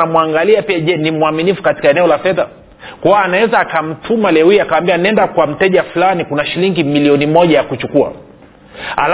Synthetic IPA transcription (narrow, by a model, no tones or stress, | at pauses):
amuaŋɡaliapiaʄɛnimwaminifu̥kati̥kaɛnɛɔlafɛða | kwawaːnawɛzaːkam̩tʰumalɛwiakawambianɛndakwam̩tɛʄafulanikunaʃiliŋɡimiliɔnimɔʄajakut͡ʃukua̰ | a̰l